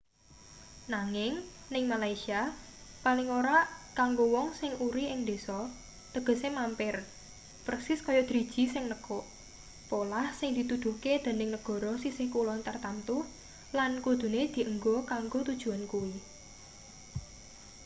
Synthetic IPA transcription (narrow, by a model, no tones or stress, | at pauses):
naŋɪŋ | nɪŋmalaisia | palɪŋoɾaʔkaŋɡowɔŋsɪŋuɾiɪŋd̪e̤sɔ | t̪əɡ̥ə̤semampɪr | fərksɪskɔjɔd̪̥ɾi̤d̥ʒ̥i̤sɪŋnəkɔʔ | polahsɪŋd̪̥i̤t̪ud̪̥ṳked̪̥e̤nɪŋnəɡ̥ɔ̤ɾɔsisɪhkulɔnt̪ərt̪ant̪ʊ | lankud̪̥ṳned̪̥i̤ʔəŋɡɔkaŋɡot̪ud̥ʒ̥ṳankuwi